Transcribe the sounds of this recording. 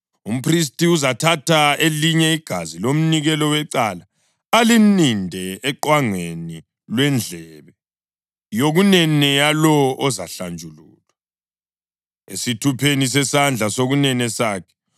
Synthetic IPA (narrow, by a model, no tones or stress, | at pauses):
um̩pʰris̬tʼiuzatʰatʰaeliɲɛiɡ̥ʱazilom̩niɣɛlɔwɛǀala | alinindʱɛːǃwaŋweni | lwɛnd͡ɮʱɛβɛ | joɣunɛnɛjalɔʔɔzaɬand͡ʒʱulṵːla | ḛsitʰupʰenis̬ɛsand͡ɮʱasoɣunɛnɛsaːkʰɛ̥